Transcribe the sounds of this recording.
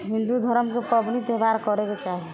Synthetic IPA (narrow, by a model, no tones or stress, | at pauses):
ɦĩnd̪ud̪ʱɔɾəmkepɔbnit̪ebaɾkɔɾeket͡ʃaɦe